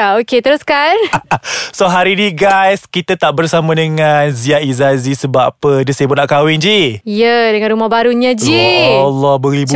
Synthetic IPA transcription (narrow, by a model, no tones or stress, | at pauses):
aoket̪əɾʊskan | soɦaɾinĩɡajskit̪at̪aʔbərsamãdəŋanziaizazisəbapədəsebʊt̚naʔkawɪnd͡ʒiijədəŋanɾumahbaɾuɲad͡ʒilɔhbəɾibu